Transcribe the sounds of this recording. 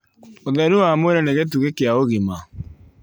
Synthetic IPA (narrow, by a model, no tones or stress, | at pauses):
oðɛɾuwamweɾɛneɣet̬uɣekeaoɣema